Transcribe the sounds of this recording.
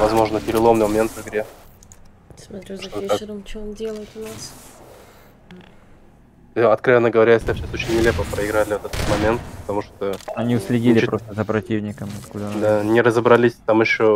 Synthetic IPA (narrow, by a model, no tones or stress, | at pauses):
vɐzmo̞ʐnəpʲɪɾʲɪlˠo̞mnɨjmɐmʲe̞nt̪vɨɡɾʲe | ʂt̪oakʲlˠt̪ | ɐt̪kɾɐvʲe̞nːəɡəvɐɾʲasʲat͡ɕːaso̞t͡ɕɪnʲːɪlʲe̞pəpɾəɪɡɾalʲɪvət̪ɛt̪ət̪mɐmʲe̞nt̪pət̪ɐmuʂt̪əɐnʲiʊsʲlʲɪdʲilʲɪpɾost̪əzəpɾɐtʲivnʲɪkəmɐt̪kud̪d̪anʲɪɾəzəbɾɐlʲisʲt̪amɪɕːo